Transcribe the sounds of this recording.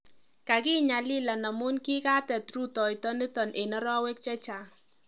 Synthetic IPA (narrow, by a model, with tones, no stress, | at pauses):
ka˨ki˦ɲa˨li˦la˨na˨mʊ˦nki˦ka˦tɛ˨tɾu˦tɔ˨jtɔ˦ni˦tɔ˨nʔe˨nɔ˦ɾɔ˦we˦k̚t͡ʃɛ˦t͡ʃa˨